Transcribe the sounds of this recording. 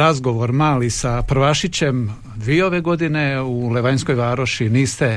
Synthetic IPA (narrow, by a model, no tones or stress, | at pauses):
azɡo̞ʋo̞ɾmaːlisapɾ̩ʋaʃit͡ɕe̞m | ʋiːo̞ʋeɡo̞d̪ineule̞ʋaɲsko̞jʋaːɾoʃiniːst̪e